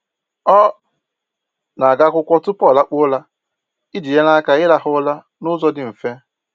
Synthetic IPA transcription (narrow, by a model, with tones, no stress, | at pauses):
ɔ˦ | na˨a˨ɡa˦kʷʊ˦kʷɔ˦tʊ˦pɔ˦˨la˦k͡pʊ˦la˦ | ɪ˦di˨je˦la˦ka˨ɪ˦la˦ɦʊ˦la˦ | nʊ˦zɔ˦dɪ˨m̩˨fe˦